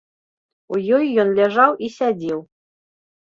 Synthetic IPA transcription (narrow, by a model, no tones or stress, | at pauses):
ujɔjːɔnlʲɛʐɑwisʲædʲiw